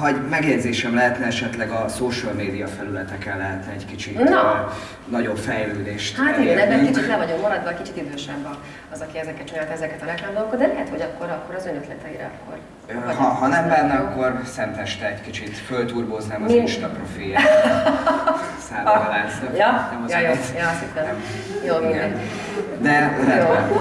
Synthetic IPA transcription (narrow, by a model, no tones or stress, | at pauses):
hɒɟmɛɡjɛɟzeːʃɛmlɛɦɛt̪nɛɛʃɛt̪lɛɡɒsoːʃølmeːd̪ijɒfɛlylɛt̪ɛkɛlːɛɦɛt̪nɛɛckit͡ʃit̪ | nɒɟo̞bfɛjløːd̪eːʃt̪hat̪iɛnɛɛkit͡ʃit̪lɛvɒɟommɒɾɒd̪ʋɒːckit͡ʃit̪id̪øːʃɛbːɒ | ɒzɒkiɛzɛkːɛt̪t͡ʃinaːlt̪ɛzɛkɛt̪ɒɾɛklaːmd̪olokɒd̪d̪ɛlɛɦɛt̪ho̞ɟɒkːo̞ɾɒkːo̞ɾɒzønøt̪lɛt̪ɛiɾɛ̰ɒkːo̞̰r | ɦɒɦɒnɛmbɛnːɛɒkːo̞rsɛnt̪ɛʃt̪ɛɛckit͡ʃit̪følt̪uːrboːznɛmmiiʃt̪ɒprofilja | saːlalaːzjɒnɛmɒjjoːjɒsit̪t̪ːɛm | joːiɡɛn | d̪ɛd̪ɛo